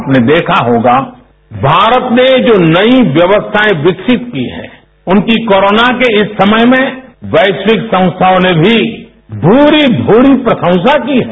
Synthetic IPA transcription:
pned̪eːkʰaɦoːɡa | bʱaːɾət̪ned͡ʒoːnɐiʋjɐʋəst̪ʰaẽʋɪksɪt̪kiɦɛ̰̃ː | ʊnkikoːɾoːnakeɪsːɐməjmẽʋɐːɪʃwɪksə̃ʊ̃st̪ʰaonebʱi | bʱuːɾibʱuːɾipɾɐsə̃ʊ̃sakiɦɛ

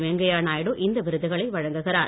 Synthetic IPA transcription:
ʋɛŋɡɐjaːnaːjɽɯʔɪnd̪ɐʋɪɾɯðɯɣɐɭɐɪʋɐɻɐŋɡɯɣɪɾaː

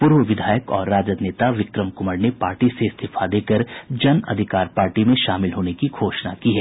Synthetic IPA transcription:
pʊɾʋəʋɪd̪ʱaːjəkɔ̰ːɾːaːd͡ʒəd̪neːt̪aʋɪkɾəmkʊməɾnepaːɾʈiseɪst̪ʰɪfʰad̪eːkəɾd͡ʒɐnɐ̰d̪ʱɪkaːɾpaːɾʈimẽʃaːmɪlɦoːnekiɡʱoːʃnakiɦɛː

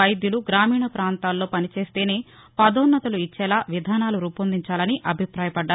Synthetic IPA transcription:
ɐjd̪juluɡɾaːmiːɳɐpɾaːnt̪aːlːo̞ːpɐnit͡ʃe̞ːst̪e̞ːne̞ː | pɐd̪ɔːnːɐt̪ɐluit͡ʃːɛːlaːʋid̪ʱaːnaːluɾuːpond̪iɲt͡ʃaːlɐniʔɐbʱipɾaːjɐpɐɖːa

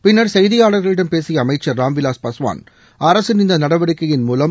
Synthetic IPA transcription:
pɪnːɐɾsɛjðɪjaːɽɐɾɣɐɭɪɽɐmpeːsɪjɐːmɐɪt͡ʃːɐɾɾaːmʋɪlaːspɐsʊʋa̰ːn | ɐɾɐsɯnɪnd̪ɐnɐɽɐʋɐɽɪkːɐjɪnmuːlɐm

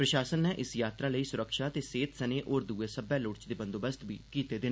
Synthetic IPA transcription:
pɾəʃaːsənːɛːʔɪsjaːt̪ɾãːləiːsʊɾəkʃaːt̪eːseːt̪səneːʔoːɾd̪uːeːsəbɛːlʊːɽt͡ʃd̪eːbə̃nd̪oːbəst̪bḭːkiːt̪eːd̪ɪnː

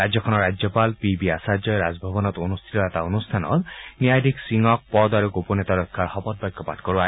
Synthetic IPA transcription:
ɾad͡ʒjɔkʰɔnɔɾad͡ʒjɔpalpibiasad͡ʒjɔjɾad͡ʒbʱɔbɔnɔt̪onust̪ʰit̪ɔɛt̪aonust̪ʰanɔ̰t̪niajd̪iksiŋɔk̚pɔd̪aɾuɡoponet̪aɾɔkʰːaɾhɔbɔt̪̚bɔjkːɔpa̰tkɔɾua

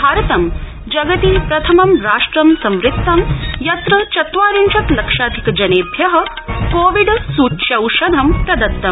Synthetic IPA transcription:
bʱaːɾɐt̪ɐm | d͡ʒɐɡɐt̪iːpɾɐt̪ʰɐmɐmɾaːʂʈɾɐmsɐ̃mɾɪt̚t̪ːɐmjɐt̪ɾɐt͡ʃɐt̪ʋaːɾint͡ʃɐt̪lɐkʂaːd̪ʱikɐd͡ʒɐneːbʱjɐɦɐ̆ | koːʋiɖsuːt̪ʃɐwʃɐd̪ʱɐmkɐd̪ɐt̪ːɐm

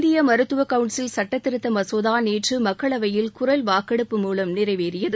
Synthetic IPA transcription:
d̪ɪjɐmɐɾɯt̪ːɯʋɐkɐʋɯɳʈsɪlsɐʈːɐt̪ːɪɾɯt̪ːɐmɐsoːðaːneːʈrɯmɐkːɐɭɐʋɐjɪlkʊɾɐlʋaːkːɐɽɯpːɯmuːlɐmnɪrɐɪʋeːɾɪjɐðɯ

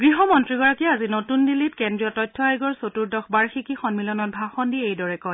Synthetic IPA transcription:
ɡɹiɦɔmɔntɹiɡɔɹakiazinotundilitkɛndɹiɔtɔjtʰːɔajɡɔɹsotuɹdɔxbaɹxikixɔnmilɔnɔt̚bʱaxɔndiejdɔɹɛkɔj

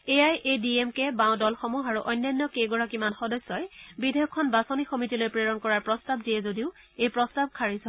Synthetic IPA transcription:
ejajʔediemkɛbãwdɔlxɔmuxaɹuʔɔjnːajnːɔkejɡɔɹakimanxɔdɔsːɔjbidʱejɔkʰːɔnbasɔnixomitilojpɹeɹɔnkɔɹaɹpɹɔstabdijɛzodiʊ | ejpɹɔstab̚kʰaɹisɔ

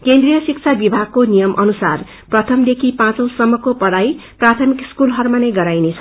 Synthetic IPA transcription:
kend̪rijʌsik̚t͡sʰabibʱaɡ̚konijʌmʔʌnusar | prʌt̪ʰʌmd̪ekʰipãt͡sʌ̃w̃sʌmːʌkopʌɽajprat̪ʰʌmikskulɦʌrmanʌjɡʌɾajnet͡sʰʌ̥

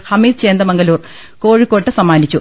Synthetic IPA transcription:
hɐmiːd̪̚t͡ɕe̞ːnd̪ɐmɐŋɡɐluːr | ko̞ːɻikːo̞ːʈːɐsɐmːaːnit͡ɕːu

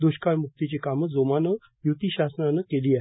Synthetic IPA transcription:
d̪oɕkaɭmuk̚t̪it͡ɕekaməd͡zomanə | jut̪iɕasnanəkeliːaɦ

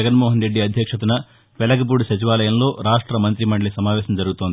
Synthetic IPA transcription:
ɐɡɐnmoːɦɐnɾeɖːiɐd̪ʱjɐkʂɐt̪̬unɐ | ʋɛlɐɡɐp̬uːɽuʃɐt͡ʃiʋaːlɐjɐmlo̞ːɾaːʂʈɾɐmɐnt̪ɾimɐɳɖɭisɐmaːʋɛːɕɐmd͡ʒɐɾuɡut̪ond̪

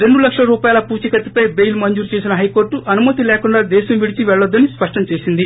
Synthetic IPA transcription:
ɾe̞ɳɖulɐkʂɐlɐɾuːpaːjalɐpuːt͡ʃikɐt̪ːi̥pɐjbejlmɐɲd͡ʒuːɾt͡ʃe̞ːs̬inɐɦɐjko̞ːɾʈːuʔɐnumɐt̪ilɛːkuɳɖaːd̪ɛːʃɐmʋiɽit͡ʃiʋɛɭːɐd̪ːɐnispɐʂʈɐmt͡ʃe̞ːsind̪i

